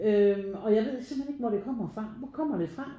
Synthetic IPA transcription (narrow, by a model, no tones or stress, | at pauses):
øɒ̽jäɪʋe̝ð̰ˠseml̩hene̝ɡ̥ʋɒɾe̝kʰɒm̰ɐfʁɑ̈ʋɒkʰɒ̽m̰ɐɾ̥e̝fʁɑ̈